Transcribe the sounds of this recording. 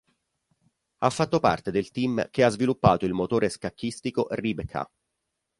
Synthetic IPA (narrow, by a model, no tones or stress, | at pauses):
afːat̪ːopa̰rt̪ed̪elt̪imk̟eazvilupːaːt̪oilmot̪oːɾeskakːist̪ikoʔribekʰa̰